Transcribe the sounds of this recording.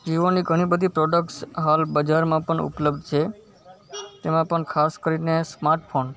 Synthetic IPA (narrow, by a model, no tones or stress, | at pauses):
d͡ʒiʋoniɡʱəɽ̃ibəd̪ʱipɾɔɖəkʈsɦalbəd͡ʒaɾmãpəɳʊ̰pləbd̪t͡ʃʰe | t̪emãpəɳkʰaskəɾinesmaɾʈpʰon